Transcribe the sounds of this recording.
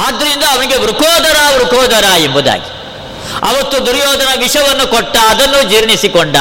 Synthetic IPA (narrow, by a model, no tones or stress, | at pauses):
aːd̪ːɐɾind̪ɐːʋɐniɡe̞ʋɾukɔːd̪ɐɾaːʋɾukɔːd̪ɐɾaːembud̪a̰ːɡi̥ | ɐ̰ʋɐt̪ːud̪uɾjɔːd̪ɐnɐʋiʂɐʋɐnːukɔʈːɐːd̪ɐnːud͡ʒiːɾɳisikoɳɖɐ̰